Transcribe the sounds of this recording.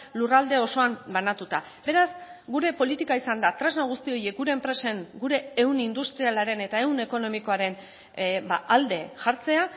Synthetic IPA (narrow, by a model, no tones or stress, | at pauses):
lurald̪e̞o̞so̞ambanat̪ut̪a | be̞ɾazɡuɾe̞po̞lit̪ikaisand̪at̪ɾaznaɣ̞ust̪io̞je̞k̚ɡuɾe̞ːmpɾe̞se̞ŋɡuɾe̞ːwnind̪ust̪ɾialaɾe̞ne̞t̪aewne̞ko̞no̞miko̞aɾe̞n | baʔald̪e̞ʝaɾt͡se̞a